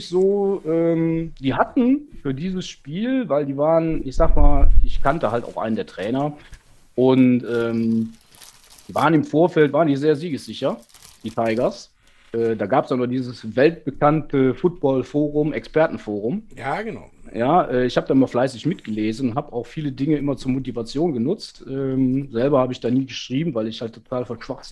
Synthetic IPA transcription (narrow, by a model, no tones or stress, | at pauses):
ɪçz̥oːʔɛːmd̥iːɦatn̩fyːɐdiːzəsʃpiːlvaɪldiːvaːʁənɪçz̥aːkmaːlɪçkʰantəhalta̰ʊxʔa̰ɪnəndeːɐtʁ̥ɛːnɐ | ʔʊntʔɛːm | vaːʁənɪmfoːɐfɛltv̥aːʁəndiːzeːɐziːɡəsz̥ɪçɐ | d̥iːtʰaɪɡɐs | ʔɛːdaːɡaːpəsd̥anuːɐd̥iːzəsvɛlt̚b̥əkʰantʰəfʊt̚b̥ɔlfoːʁ̞ʊmʔɛkspɛɐtn̩foːʁʊmjaːɡəna̰ʊjaːʔɛːɪçhaːbədaːɪmɐflaɪsɪçmɪtɡ̥əleːzn̩ʊnthaːbəaʊxfiːlədɪŋəʔɪmɐt͡suːɐmotivat͡sjoːnɡənʊt͡stʔɛːmzɛlbɐhaːbəɪçd̥aːniːɡəʃʁ̥iːbm̩vaɪlɪçhaltʰːotʰaːlfɔnʃv̥aχz